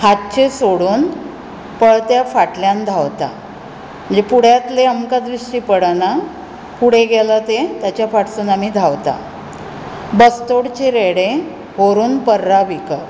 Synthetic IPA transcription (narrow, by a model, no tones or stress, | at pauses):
hat̪t͡ɕesoɽuːn | pəɭt̪jafaʈljand̪ʱawt̪a̰ | məd͡ʑepuɽ̤jat̪leəmkad̪ɾiɕʈiːpəɽana | puɽ̤eɡɛlat̪et̪jat͡ɕjafaʈsuːnamid̪ʱaʋt̪a̰ | bəst̪oɽt͡ɕeɾeɽẽ | ɦoɾuːnpəɾːaʋikə